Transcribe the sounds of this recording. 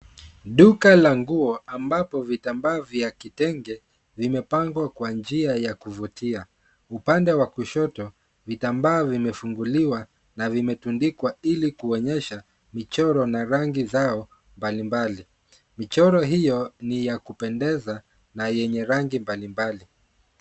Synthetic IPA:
ɗukalaŋɡuɔambapɔvitambaːvjakitɛŋɡɛ | vimɛpaŋɡwakwand͡ʒiajakuvutʰia | upandɛwakuʃɔtɔ | vitambaːvimɛfuŋɡuliwa | navimɛtundikwailikuɔɲɛʃa | mit͡ʃɔɾɔnaɾaŋɡizaɔ | mbalimbali | mit͡ʃɔɾɔɦijɔnijakupɛndɛza | najɛɲɛɾaŋɡimbalimbali

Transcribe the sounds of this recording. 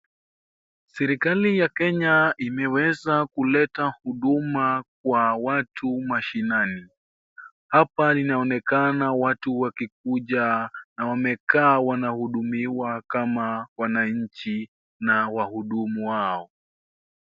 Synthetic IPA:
sɛɾikalijakɛɲaimɛwɛzakulɛtahuɗumak̚wawatʰumaʃinani | hapalinaɔnɛkanawatuwakik̚uʄanawamɛkaːwanahuɗumiwakamawanaɲ̩t͡ʃi | nawahuɗumuwaɔ

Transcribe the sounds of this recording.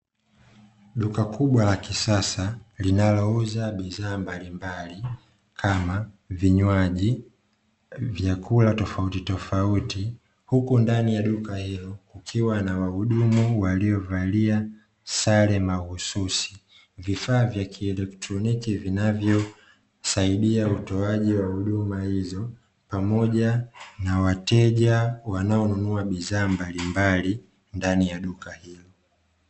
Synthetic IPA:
ɗukakʰuɓwalakisasalinalɔuzaɓiðaːmbalimbali | kʰama | viɲwaʄi | vjakʰulatɔfautitɔfauti | hukundanijaɗukahilɔkukʰiwanawahuɗumuwaliɔvalia | salɛmahususi̥ | vifaːvjakʰiɛlɛktɾɔnikivinavjɔ | saiɗiautɔaʄiwahuɗumahizɔ | pamɔʄanawatɛʄawanaɔnunuaɓiðaːmbalimbali | ndanijaɗukahilɔ

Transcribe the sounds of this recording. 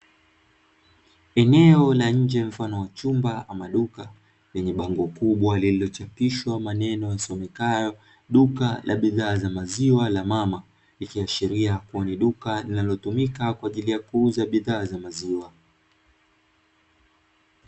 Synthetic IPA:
ɛnɛɔlaɲ̩d͡ʒɛm̩fanɔwat͡ʃumbaʔamaɗuka | lɛɲɛɓaŋɡɔkuɓwalililɔt͡ʃapiʃwamanɛnɔjasɔmɛkajɔ | ɗukalʔa̰ɓiðaːzamaziwalamama | likiaʃiɾiakuaniɗukalinalɔtumikakwaːʄilijakuuzaɓiðaːzamaziwa

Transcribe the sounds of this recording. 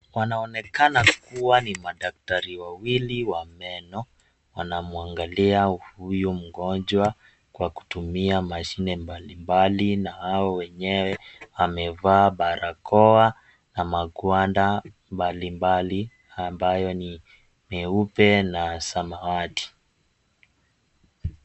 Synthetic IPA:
wanaɔnɛkanakuwanimaɗak̚taɾiwawiliwamɛnɔ | wanamuaŋɡaliahujum̩ɡɔnd͡ʒwa | kwaku̥tumiamaʃinɛmbalimbalinahaɔwɛɲɛwɛwamɛvaːɓaɾakɔa | namaɠwanda | mbalimbali | ambajɔni | mɛupɛnasamawati̥

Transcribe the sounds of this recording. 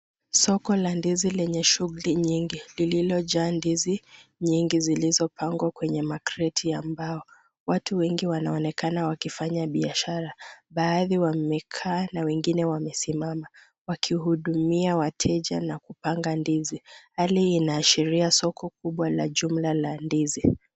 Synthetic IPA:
sɔkɔlandizilɛɲɛʃuɣuliɲiŋɡilililɔʄaːndiziɲiŋɡizilizɔpaŋɡwakwɛɲɛmakɾɛtʰiambaɔ | watuwɛŋɡiwanaɔnɛkanawakifaɲaɓiaʃaɾaɓaːðiwamɛkʰaːnawɛŋɡinɛwamɛsimama | wakʰiɦuɗumiawatʰɛʄa̰nakupaŋɡandizihaliːnaːʃiɾiasɔkʰɔk̚uɓwalaʄum̩lalandizi

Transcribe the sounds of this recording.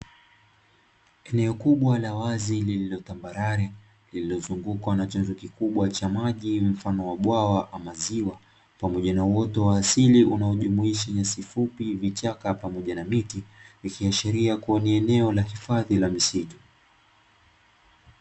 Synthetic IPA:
ɛnɛɔkuɓwalawazilililɔtambaɾaɾɛ | lililɔzuŋɡukwanat͡ʃanzɔkikuɓwat͡ʃamaʄim̩fanɔwaɓwawaʔamaziwa | pamɔʄanawɔtɔwaːsiliunaɔʄumuiʃaɲasifupivit͡ʃakapamɔʄanamitivikiaʃɛɾiakuɔniɛnɛɔlahifaðilamisitu̥

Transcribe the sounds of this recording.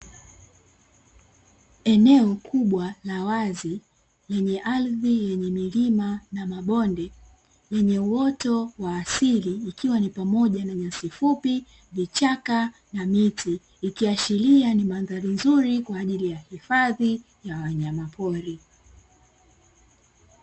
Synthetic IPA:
ɛnɛɔkʰuɓwalawazi | lɛɲɛʔalðijɛɲɛmilimanamaɓɔndɛ | jɛɲɛuɔtɔwaːsiliːkiwanipamɔʄanaɲasifupi | vit͡ʃaka | namitʰiː | kiaʃilianimanðaɾinzuɾikwaːʄilijahifaði | jawaɲamapʰɔɾi

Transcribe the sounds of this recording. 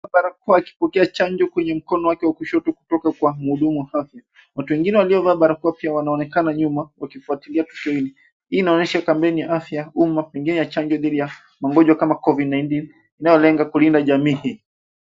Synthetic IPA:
aɓaɾak̚uwaːki̥pɔkɛat͡ʃaɲd͡ʒɔkwɛɲɛm̩kɔnɔwakɛwakuʃɔtɔku̥tɔkakwam̩huɗumuwahaθja | watuwɛŋɡinɛwaliɔvaɓaɾakuwapiawanaɔnɛkanaɲumawakifuatiliatu̥kiɔhili | hiːnaɔnɛʃakampɛnijaʔafjaumapɛŋɡinɛjat͡ʃaɲd͡ʒɔðiɗija | maŋɡɔʄwakamakɔvidnajntin | inajɔlɛŋɡakulindaʄamiːhiː

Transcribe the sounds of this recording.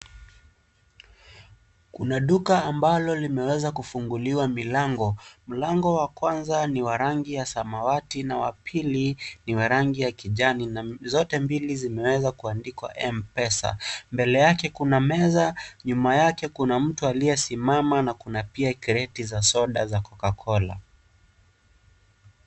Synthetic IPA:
kunaɗukaːmbalɔlimɛwɛzakufuŋɡuliwamilaŋɡɔm̩laŋɡɔwakwanzaniwaɾaŋɡijasamawatinawapʰiliniwaɾaŋɡijakiʄaninazɔtɛmbilizimɛwɛzakuandikwa̰ʔɛmpɛsa̰mbɛlɛjakɛkunamɛzaɲumajakɛkunam̩tualiɛsimamanakunapiakɛɾɛtizasɔɗazakɔkakʰɔla̰

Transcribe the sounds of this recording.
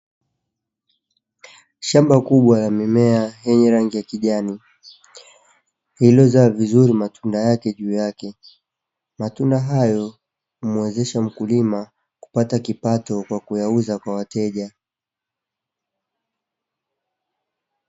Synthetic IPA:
ʃambakuɓwalamimɛaɦɛɲɛɾaŋɡijakiʄani | hilɔzaːvizuɾimatʰundajakɛʄuːjakɛ | matundaɦajɔ | hum̩wɛzɛʃam̩kulima | ku̥patakipatɔkwakujauzakwawatɛʄa

